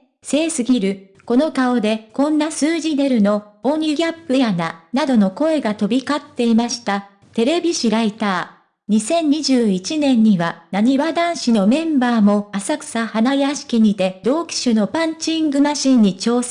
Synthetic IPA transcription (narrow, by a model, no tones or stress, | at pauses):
se̞ːsɨɡʲiɾɯ̟ | ko̞no̞kao̞d̪e̞kõ̞nːasɨːʑid̪e̞ɾɯ̟no̞õnʲiɡʲapːɯ̟jananad̪o̞no̞ko̞e̞ɡat̪o̞bʲikat̪ːe̞imaɕi̥t̪a | t̪e̞ɾe̞bʲiɕiɾait̪aː | ɲ̟isẽ̞ɲ̟ːiʑɨːit͡ɕinẽ̞ɲ̟ːiβanaɲ̟iβad̪ãɰ̃ɕino̞mẽ̞mbaːmo̞asakɯ̥sahanajaɕi̥kʲiɲ̟it̪e̞d̪o̞ːkʲi̥ɕɨno̞pãɲ̟t͡ɕĩŋɡɯ̟maɕĩɲ̟ːit͡ɕo̞ːs